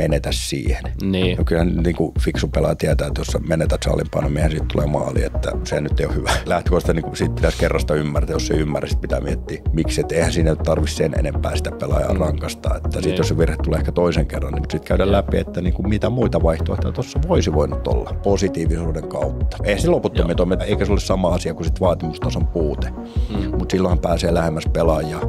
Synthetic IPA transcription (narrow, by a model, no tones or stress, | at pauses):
menet̪æssḭːhenniːnokylhænnt̪niːŋkufiksupelɑt̪iæt̪æːet̪jossemenet̪æssɑ̰ːlimpɑ̰ːnomiehænsiːt̪t̪ulḛːmɑ̰ːlḭḛt̪ːæ̰sehænyt̪ːeijohhyʋælæht̪ikoˑst̪æniːŋkusiːt̪̚pit̪æskerːɑst̪ɑymːæræt̪æjosseymːæræsit̪mit̪æ̰miet̪ːiːmiksiet̪ːeihænsiːnænytt̪ɑrʋissenḛnempæ̰ːsi̥t̪æpelɑ̰jɑ̰ːrɑŋkɑst̪ɑ̰ːḛt̪ːæsit̪joseʋirhet̪uleˑehkæt̪oiseŋkerːɑnnimut̪sit̪kæyɾællæpiḛt̪ːæniːŋkummit̪æmuit̪ɑʋɑiht̪o̰iht̪ːæt̪osːɑʋoisiʋoinut̪ːo̰lːɑposit̪iːʋisuːdeŋkɑut̪ːɑ̥eihænseloput̪ːomiet̪omeeikæseolessɑmɑɑsiɑkusit̪ʋɑːt̪imust̪ɑsompuːt̪e | mut̪silːohɑmpæːseːlæhemːæspelɑjˑɑ